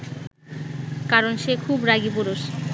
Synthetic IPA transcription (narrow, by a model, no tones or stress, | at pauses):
kaɾonʃekʰubɾaɡipoɾoʃ